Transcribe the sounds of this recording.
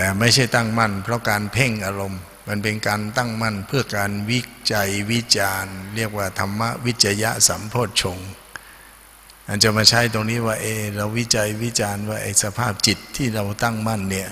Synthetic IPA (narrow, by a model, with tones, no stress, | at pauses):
t̪ɛː˨˩ma˥˩jt͡ɕʰa˥˩jt̪a˥˩ŋma˥˩npʰɾɔ˦˥kaː˧npʰe˥˩ŋʔaː˧ɾo˧mː | a˧np̬e˧nkaː˧nt̪a˥˩ŋma˥˩npʰɯ˥˩ɐkaː˧nwi˦˥t͡ɕa˧jwi˦˥t͡ɕaː˧nɾi˥˩ək̚waː˥˩t̪ʰa˧mːa˦˥ʔwi˦˥t̪̚t͡ɕa˧ja̰˦˥sa˩˦mpʰoː˥˩t̪̚t͡ɕʰo˧ŋ | ʔa˧nt͡ɕa˧˩maː˧˩t͡ɕʰa˦˥jt̪o˧ŋniː˦˥waː˥˩ʔeː˧ɾa˧wːi˦˥t͡ɕa˧jwi˦˥t͡ɕaː˧nwaː˥˩ʔa˧jsa˧pʰaː˥˩p̚t͡ɕi˨˩t̪ʰːiː˥˩ɾa˧wt̪a˥˩ŋma˥˩˨nːi˦˥˩ɐ